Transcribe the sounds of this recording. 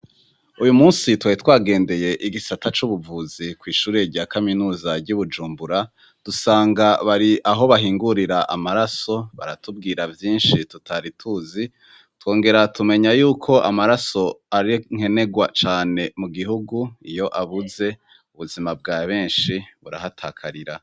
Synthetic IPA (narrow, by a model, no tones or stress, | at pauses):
ujumuːnsitwaitwaːɡe̞ːnde̞je̞ʔiɡisatʰat͡ʃuβuvuːzikwiːʃuːɾe̞ɾɟaːkaminuːzaɟuβud͡ʒuːmbuɾa | d̥usaːŋɡaβaɾiʔaɦo̞βaɦiːŋɡuɾiɾaʔamaɾaso̞βa̰ɾatub̚ɡiːɾavjiːnʃitutaɾitʰuːzi | two̞ːŋɡe̞ɾatume̞ɲajuːkʰo̞ʔamaɾaso̞aɾiŋhe̞ne̞ɡwat͡ʃaːne̞muɡiɦuɡuijo̞ʔaβuze̞ | uβuzimab̚ɡaːβe̞ːnʃiβuɾa̰hatʰaːkʰaɾiɾa